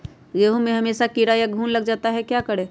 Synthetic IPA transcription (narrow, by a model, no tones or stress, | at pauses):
jeɦũmẽɦəmeːsakiɾajaɡʱuːnləɡd͡ʒaːt̪aɦɛkjakəɽe